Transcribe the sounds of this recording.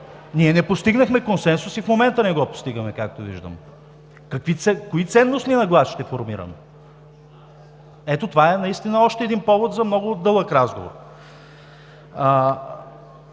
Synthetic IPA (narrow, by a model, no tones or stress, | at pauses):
niɛnɛpost̪iɡnəxmɛkonsɛnsʊsifmomɛnt̪ənɛɡɔpo̥st̪iɡəmɛkak̚t̪ovḭʒd̪ə̰m | kɐkvit̪sɛkoit̪sɛnːost̪niɛnɐɡlˠaʃt̪ɛfoɾmiɾə̰m | ɛt̪ot̪ovaɛnɐist̪inəɔʃt̪ɛːd̪inpɔvot̪zɐmnɔɡʊd̪ɤlˠəkɾazɡo̰vo̰r